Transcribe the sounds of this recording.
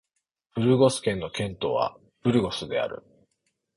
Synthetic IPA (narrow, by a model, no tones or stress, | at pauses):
ɸɯ̟ɾɯ̟ɡo̞sɨ̥kẽ̞nːo̞kẽ̞nt̪o̞̰ːβa̰ | ɸɯ̟ɾɯ̟ɡo̞sɨd̪e̞̰a̰ɾɯ̟̰